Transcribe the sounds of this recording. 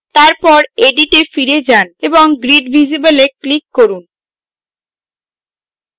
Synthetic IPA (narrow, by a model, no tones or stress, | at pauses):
t̪aɾpɔɾeɖiʈefiɾed͡ʑaneboŋɡɾiɖbʱid͡ʑibeleklikːoɾun